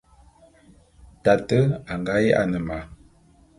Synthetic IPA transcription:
ta˨tə˦a˨ŋɡa˦je˦ʔa̰˦˨nə˨ma˨

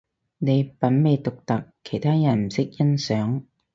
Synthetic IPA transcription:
ne˨˧jpɐ˨˥nme˨˧jt̪ʊ˨k̚t̪ɐ˨kʰːe˨˩jt̪ʰaː˥jɐ˨˩nm̩˨˩sɪ˥k̚jɐ˥nsœː˨˥ŋ

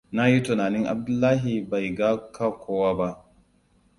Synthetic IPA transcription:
na˦ji˦tʊ˨naː˨nɪ˦ŋʔa̰˨b̚dʊ˦lːaː˦ɦi˨ba˨jɡa˦ka˦kʷoː˦waː˦ba˦ʔ

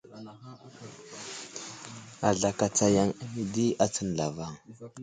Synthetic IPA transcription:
a˨ɮa˨ka˨t͡sa˨ja˦˨ŋa˨mi˨di˦a˦t͡sə˦nɮa˨va˦˨ŋ

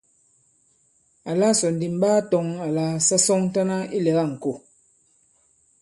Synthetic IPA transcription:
a˨la˦sɔ˨n̩˨di˨m̩˦baː˦tɔ˦ŋa˨la˦sa˦sɔ˦ŋn˦ta˦na˦i˦lɛ˨ɣa˦˨ŋ̩˨ko˨

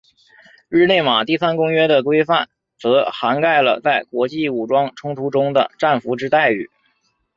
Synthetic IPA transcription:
ɻ̩˥˧ne˥˩ɪma˨˩t̪i˥˩sa˥nkʊ˥ŋɥɛ˥d̪ə˨kwe˥ɪfa˥˩n | t͡sɤ˧˥xa˧˥nka˥˩ɪlə̰˩t͡sa˥˩ɪkwɔ˧˥t͡ɕi˥˩u˨˩ʈ͡ʂwɑ˥ŋʈ͡ʂʰʊ˥ŋt̪ʰu˧˥ʈ͡ʂʊ˥ŋd̪ə̰˨˩ʈ͡ʂa˥˩nfu˧˥ʈ͡ʂɻ̩˥t̪a˥˧ɪy̰˨˩˦

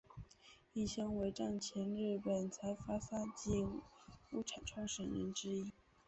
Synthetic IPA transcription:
i˥˩ɕjɑ˥ŋwe˧˥ɪʈ͡ʂɑ˥˩ŋt͡ɕʰjɛ˧˥nɻɻ̩˥˩pə˨˩nt͡sʰa˧˥ɪfa˥sa˥t͡ɕi˥˩ŋu˥ʈ͡ʂʰa˨˩nʈ͡ʂʰwɑ˥ŋʂə˨˩ŋɻə̰˧˥nʈ͡ʂɻ̩˥i˥

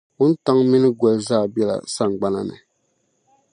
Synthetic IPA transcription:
ʊ˦n̩˦ta˦ŋmi˦nɨ˦ɡɔ˨lzaː˦˨bjɛ˦la̰˨sa˦ŋ˨ɡ͡ba˦na˦˨nɨ̰˨

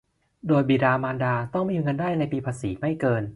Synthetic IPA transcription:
doː˧jbiː˨˩ɾaː˧maː˧ndaː˧t̪ɔ˥˩ŋmiː˧ŋɤ˧ndaː˥˩jna˧jpiː˧pʰaː˧siː˩˦ma˥˩jkɤː˧n

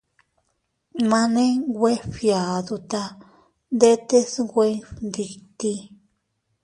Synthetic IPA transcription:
mã˧nẽ˦ɡwʷe˦fja˨d̪u˧t̪a˧ | nd̪e˦t̪e˦sɡʷe˧˦nd̪i˧t̪i˧

